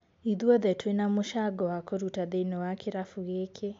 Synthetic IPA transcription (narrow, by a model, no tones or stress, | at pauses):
iðuɔðɛtwenamoʃaɡɔwakoɾutaðeinɔwakʰeɾafuɣekʰe